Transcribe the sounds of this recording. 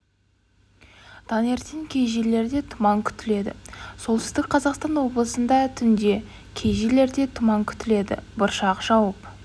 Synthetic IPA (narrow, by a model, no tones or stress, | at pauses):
d̪̥ʰɑne̞ɾt̪eŋkʲʰe̞jʒele̞ɾd̪e̞t̪ʰʊmɑŋkʲʰʏ̥t̪ɪle̞d̪ɪ̰so̞lˠsɪzd̪ɪk̚ʲqʰɑzɑqst̪ɑnwo̞blˠəsənd̪ɑt̪ʰʏnd̪e̞ | kʲʰe̞jʒele̞ɾd̪e̞t̪ʰʊmɑŋkʲʰʏ̥t̪ɪle̞d̪ɪ̰bʊɾʃɑqʒ̥ɑwəp